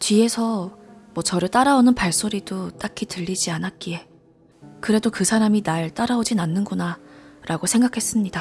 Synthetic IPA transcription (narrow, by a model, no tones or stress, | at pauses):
t͡ɕɥie̞sʰʌmwʌt͡ɕʌɾɯɭt͈aɾaonɯnpaɭs͈oɾidot͈akʰitɯʎːid͡ʑianat̚k͈ie̞ | kɯɾe̞dokɯsʰaɾaminaɭt͈aɾaod͡ʑinanːɯnɡunaɾʔaɡosʰe̞ŋɡakʰe̞s͈ɯmɲida